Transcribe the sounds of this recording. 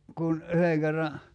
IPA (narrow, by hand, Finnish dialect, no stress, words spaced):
kun yheŋ kerːɑ